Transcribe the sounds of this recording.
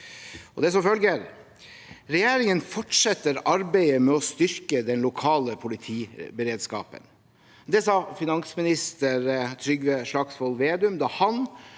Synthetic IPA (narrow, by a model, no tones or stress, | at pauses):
ɔd̪ɛs̬ɔmfœlɡəɾ | ɾɛjeːɾɪŋənfɔʈʂɛt̪ːəɾɑɾbæɪəmɛɔst̪ʏɾkəd̪ɛnlʊkʰɑːləpʰʊlɪt̪ʰiːbəɾeːd̪skɑ̰ːpə̰n | d̪ɛsɑːfɪnɑnsmɪnɪst̪əɾt̪ʰɾʏɡʋəʂɭɑɡsfɔlʋeːd̪ʉmd̪ɑhɑn